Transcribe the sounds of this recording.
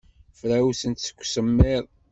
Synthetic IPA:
fɾæwsənt̪sə̥kʷːsəmːeðˤ

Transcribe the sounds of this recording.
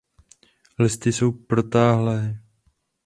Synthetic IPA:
lɪst̪ɪso̞wpɾo̞t̪aːɦlɛː

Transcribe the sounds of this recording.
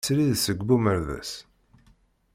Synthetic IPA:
sɾiðsəɡʷbuməɾvæ̰s

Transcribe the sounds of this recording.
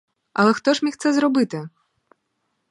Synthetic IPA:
ɐlˠɛxt̪ɔʂmʲixt̪sɛzɾɔbɨt̪ɨ

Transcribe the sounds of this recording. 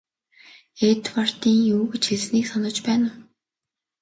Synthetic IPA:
et̪war̥t̪iːŋjuːɣɘt͡ɕxeɮsniːksanə̆t͡ɕpæːnə̆w

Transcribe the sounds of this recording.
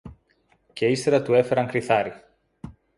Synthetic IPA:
ce̞ist̪eɾɐt̪ue̞fe̞ɾɐŋkɾiθɐɾi

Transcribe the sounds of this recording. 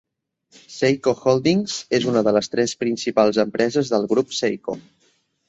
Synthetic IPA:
sejkoxolˠd̪iŋzezunəðələst̪ɾɛspɾinsipalˠzəmpɾɛzəzðəlˠɣɾupsejko̰

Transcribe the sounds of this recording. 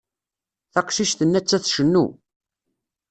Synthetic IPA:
θɑqʃiʃθənːæt͡sːæθʃənːṵ

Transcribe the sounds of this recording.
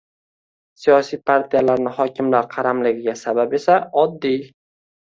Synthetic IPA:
sijɒsijpʰaɾt̪ʰijalaɾnɪhɒkʲɪmlaɾqʰɑɾamlɪɡʲɪɡʲasababe̞saɒd̪ːij

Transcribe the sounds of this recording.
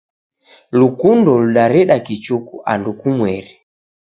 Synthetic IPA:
lukundɔluɗaɾɛɗakit͡ʃukuʔa̰ndukumwɛɾi

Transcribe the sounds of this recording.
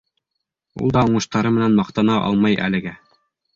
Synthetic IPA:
ṵlˠd̪ɑŏɴɤ̆ʃt̪ɑɾɤmɘ̆nænmɑqt̪ɑnɑʔɑ̰lˠmɑjʔæ̰lɘ̆ɡæ

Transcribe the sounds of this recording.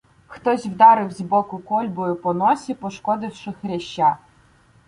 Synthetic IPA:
xt̪ɔsʲwd̪ɑɾɪwzʲbɔkʊkɔlʲbɔjʊpɔnɔsʲipɔʃkɔd̪ɪwʃɪxɾʲɛʃt͡ʃːa

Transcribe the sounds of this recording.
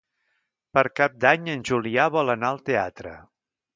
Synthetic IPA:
pəɾkap̚d̪aɲənʲʒuliaβɔlˠənaəlˠt̪ea̰t̪ɾə̰

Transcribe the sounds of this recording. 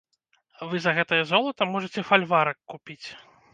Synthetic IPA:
vɨzɐɣɛt̪ɐjɐzɔlˠɐt̪ɐmɔʐɐt͡sʲɛfalʲvaɾɐkːupʲit͡sʲ

